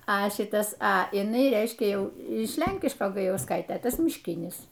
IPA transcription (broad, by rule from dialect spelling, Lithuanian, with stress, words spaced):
ɐ ˈʃʲɪtɐs ɐ ɪˈnɐɪ ˈrʲɛɪʃʲkʲɛ ˈjɛʊ ɪʃ ˈlʲɛŋʲkʲɪʃkoː ɡɐjɛʊsˈkɐɪtʲeː ˈtɐs mʲɪʃʲˈkʲɪnʲɪs